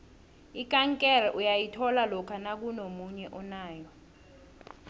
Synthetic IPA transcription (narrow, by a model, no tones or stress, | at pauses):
ikʼaŋkʼɛrɛʔujajitʰɔlalɔkʰanak̬unomuɲɛʔɔnaːjɔ